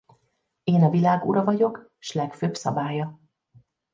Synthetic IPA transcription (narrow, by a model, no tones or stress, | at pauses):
eːnɒvilaːɡṵɾɒvɒɟo̞k | ʃlɛkføːbsɒ̰baːjɒ